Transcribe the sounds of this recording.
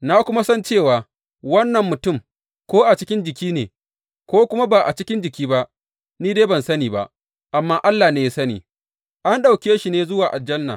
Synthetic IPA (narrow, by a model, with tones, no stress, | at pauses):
na˦kʷʊ˦ma˦sɐ˦nt͡ʃeː˦˨waː˨ | wɐ˦nːɐ˨mːʊ˨tʊ˦˨m | kʷoː˦ʔa˨t͡ʃɪ˦kʲɪ˦nd͡ʒɪ˨kʲiː˦nḛː˨ | kʷoː˦kʷʊ˦ma˦ba˨ʔa˨t͡ʃɪ˦kʲɪ˦nd͡ʒɪ˨kʲiː˦ba˦ʔ | niː˦deː˦bɐ˨nsɐ˦niː˨ba̰˦ʔ | ʔa˨mːaː˦ʔa˦lːaː˨neː˨ji˦sɐ˦nḭː˨ | ʔa˦nɗa˨wkʲeː˦ʃi˨neː˨˦zʊ˦waː˨ʔa˨d͡ʒɐ˦nːa̰˨